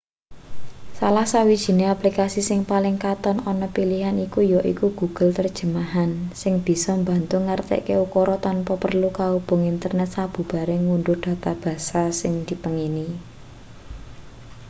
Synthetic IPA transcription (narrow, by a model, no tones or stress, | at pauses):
salahsawid̥ʒ̥i̤neaplikasisɪŋpalɪŋkat̪ɔnɔnɔpiliɦanikujɔʔḭkuɡ̥ṳɡ̥əlt̪ərd̥ʒ̥ə̤maɦansɪŋb̥i̤sɔmba̤nt̪ʊŋart̪ɛ̰ʔkeukɔɾɔt̪anpɔpərlukaub̥ʊ̤ŋint̪ərnɛt̪̚sab̥ṳb̥a̤ɾeŋunɖʊrd̪̥ä̤t̪ab̥a̤sasɪŋd̪̥i̤pəŋini